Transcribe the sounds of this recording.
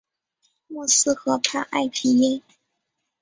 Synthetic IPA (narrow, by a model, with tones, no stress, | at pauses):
mu˥˩s̩˥xɤ˧˥pʰa̰˥˧ʔa̰˥˩ɪpʰi˧˥jɛ˥